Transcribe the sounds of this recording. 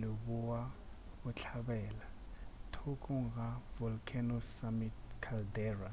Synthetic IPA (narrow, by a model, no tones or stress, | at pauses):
lobuwa | ʊt͡ɬʰabɛːla | tʰokʼʊŋ̩ɣavɔlkʰɛnɔsamitkʰaldɛːra